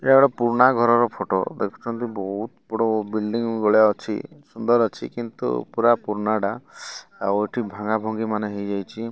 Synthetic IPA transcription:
ebɔɽɔpuɾɳaɡʱɔɾɔɾɔpʰoʈo̰d̪ekʰɔ̥t͡ʃʰɔnt̪ibɔɦut̪bɔɽɔbilɖiŋɡɔɭjaɔt͡ʃʰḭsund̪ɔɾɔt͡ʃʰikint̪ṵpuɾapuɾnaɽa | a̰oeʈʰibʱaŋabʱɔŋɡimaneɦejd͡ʒajt͡ʃʰi

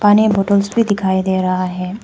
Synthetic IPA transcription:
paːniboːʈəlsbʱid̪ɪkʰaːid̪eːɾɐɦaɦɛ̃ː

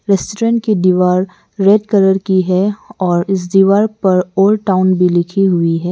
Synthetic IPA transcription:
ɾɛsʈɾɛ̃ːɳʈ̚kid̪iʋaːɾː | eːɖkəɾəɾkiɦɛɔːɾɪs̬d̪iʋaːɾpɐɾoːlʈaːʊnbʱilɪkʰiɦʊiɦɛː

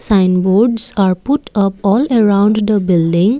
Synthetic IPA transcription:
sãjnboɾɖsaɾpuʈʌpɔlɛɾãʊ̃ɳɖd̪əbɪlɖĩŋ

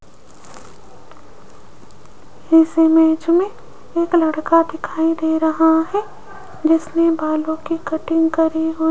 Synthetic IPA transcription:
hɪsemeːt͡ʃmẽ | eːklɐɽkad̪ɪkʰaːid̪eːɾɐɦaɦɛ | d͡ʒɪsnebaːlõkikɐʈɪ̃ŋɡkɐɾiɦʊ

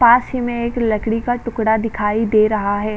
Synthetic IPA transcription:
paːsimẽeːklɐkɽikaʈʊkɽad̪ɪkʰaːid̪eːɾɐɦaɦɛː

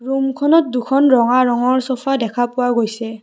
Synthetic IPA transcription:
ɹumkʰɔnɔt̚dukʰɔnɹɔŋaɹɔŋɔɹsɔpʰadɛkʰapʊwaɡojsɛ

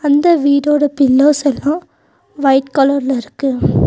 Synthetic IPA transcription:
ɐnd̪ɐʋiːɽoːɽɐpɪlːoːsɛlːãː | ʋɐɪʈkɔlɐɾlɐɪɾɯkːɯ

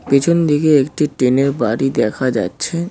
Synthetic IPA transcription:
pit͡ɕʰond̪ikeekʈiʈɾeneɾbaɾid̪ɛkʰad͡ʑa̰tːɕʰe

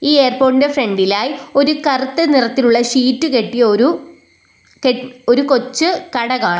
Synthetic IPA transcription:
iːeːrpo̞ːndefre̞ɳɖilaːjio̞ɾukɐrut̪ːɨnirɐt̪ːiluɭːɐʂiːtːɨke̞ʈːijɐoɾu | keoɾuko̞t͡ɕːɨkɐɽɐɣaːɳɨ

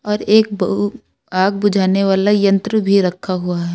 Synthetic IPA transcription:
ɔːɾeːk̚b | aːɡ̚bʊd͡ʒʱaːneʋaːlajɐ̃nt̪ɾəbʱiɾɐkʰːaɦuaɦɛː

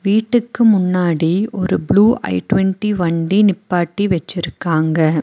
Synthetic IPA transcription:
ʋiːʈːɯkːɯmʊnːaːɽiɔɾɯbluːʔɐ̰ɪʈʋɛɳʈiʋɐɳɖinɪpːaːʈːiʋɛt͡ʃːɪɾɯkːaːŋɡɐ

